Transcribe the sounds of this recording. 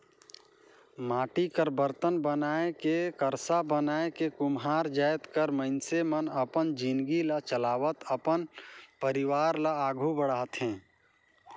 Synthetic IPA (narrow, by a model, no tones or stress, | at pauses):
maːʈikəɾbəɾt̪ənbənaːekekəɾsabənaːekekʊmɦaːɾd͡ʒaːjt̪kəɾməɪnsemənəpənd͡ʒinɡilat͡ʃəlaːwət̪əpənpəɾɪʋaːɾlaaːɡʱubəɽaːt̪ɦɛ̃ː